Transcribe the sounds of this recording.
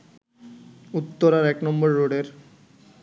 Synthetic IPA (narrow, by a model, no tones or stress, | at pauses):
ut̪ːoɾaɾɛknɔmbɔɾːoɖeɾ